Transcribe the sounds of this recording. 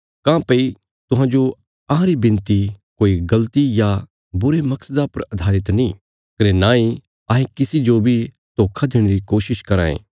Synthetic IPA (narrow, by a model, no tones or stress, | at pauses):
kãːpɐi | t̪ʊɦãːd͡ʒo | ɐ̃ɦãɾibɪ̃nt̪ikoːiɡɐlt̪ija | bʊɾemɐksəd̪apɐɾɐd̪ʱaːɾɪt̪nĩ | kɐɾenãːi | aːɦẽkɪsid͡ʒobʱi | t̪oːkʰad̪eːɽ̃eɾikoːʃɪʃkɐɾã̰ːḛː